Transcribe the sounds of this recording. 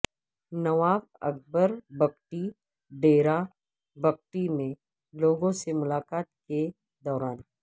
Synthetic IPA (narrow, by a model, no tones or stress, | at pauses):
nɐʋaːʋɐ̰k̚ʰbəɾbɐkʈi | ɖeːɾa | bɐk̚ʈimẽ | loːɡõsemʊlaːkaːt̪̚ke | d̪ɔːɾaːn